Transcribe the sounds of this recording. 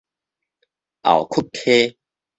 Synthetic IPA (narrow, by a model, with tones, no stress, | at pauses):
ʔa̰˨˩wkʰu˥˩k̚tʰe˦